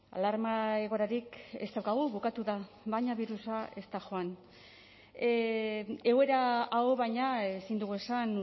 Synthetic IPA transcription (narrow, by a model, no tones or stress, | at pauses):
a̰laɾmae̞ɣ̞o̞ɾaɾike̞̰st̪awkaɣuβukat̪uða | βajɲaβiɾusae̞st̪aʝo̞an | e̞ɣoe̞ɾaawoβajɲaesind̪uɣue̞san